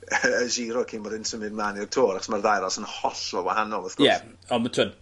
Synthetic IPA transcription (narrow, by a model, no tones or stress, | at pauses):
əʒiɾɔkʰiːnmbɔdɪnsəmɨd̚mlˠaːnirtʰoːɾaχɔ̥smarðajɾɔsənhɔɬɔwahanɔlˠəθkoɛ | ɔmətʰod